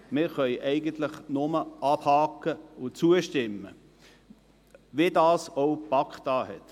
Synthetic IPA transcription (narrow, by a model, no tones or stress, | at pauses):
mɪːɾχœʏʔɛɪɡənt̪lɪχnʊməʔɑb̥hɑːkːəʊt͡suəʃtɪmːə | ʋedaːsoʊpɑkχtɑːhɛt